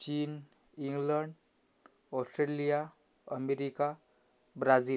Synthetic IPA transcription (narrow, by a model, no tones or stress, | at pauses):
t͡ɕiːn | iŋɡləɳɖ | ɔsʈɾelija | əmeɾika | bɾad͡ziːl